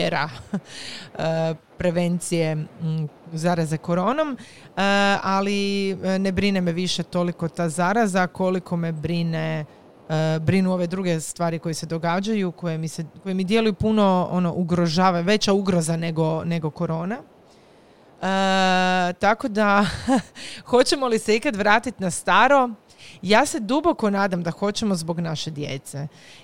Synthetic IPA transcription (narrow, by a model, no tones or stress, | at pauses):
eɾa | ə | pɾe̞ʋe̞nt̪sije̞ | zaɾazeko̞ɾo̞ːnom | əaline̞bɾine̞meʋiʃe̞t̪o̞liko̞t̪aːzaɾazako̞likʰo̞mebɾine̞ | bɾinuo̞ʋe̞d̪ɾuɡe̞st̪ʋaːɾiko̞jese̞d̪o̞ɡaːd͡ʑajukojemiseko̞jemid̪je̞lujupuno̞o̰noʔuɡɾo̞ʒaːʋaɲʋe̞t͡ɕauɡɾo̞zane̞ɡo̞ne̞ɡo̞ko̞ɾo̞ːna | ə | t̪ako̞d̪a | xo̞t͡ɕe̞mo̞lise̞ikad̪ʋɾaːt̪it̪nast̪aːɾo̞ | jaːse̞d̪ubo̞ko̞naːd̪amd̪axo̞t͡ɕe̞mozbo̞ɡnaʃe̞d̪je̞̰t̪se